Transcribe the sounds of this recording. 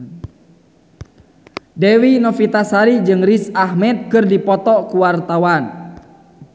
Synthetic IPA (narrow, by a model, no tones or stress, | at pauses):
dɛwinɔfit̪asaɾid͡ʒɨŋrisahmɛt̪̚kɨrdipɔt̪ɔkuwart̪awan